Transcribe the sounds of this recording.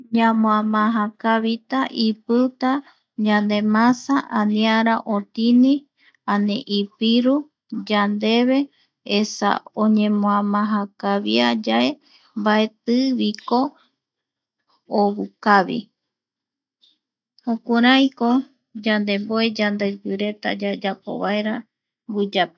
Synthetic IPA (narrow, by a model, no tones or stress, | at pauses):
ɲãmõãmãɦakaβit̪aʔipɨt̪a | d͡ʒand̪e̞mãsaʔãnĩaɾaʔõt̪inĩ | aneʔipiɾu | d͡ʒand̪e̞βe | esa̰oɲẽmõãmãɦakaβiad͡ʒae̞ | mbaet̪ɨβiko̞ | βukaβḭ | hokuɾajko | d͡ʒand̪e̞mboed͡ʒand̪epɨɾe̞t̪a̰d͡ʒad͡ʒapo̰βaeɾa | ɡud͡ʒap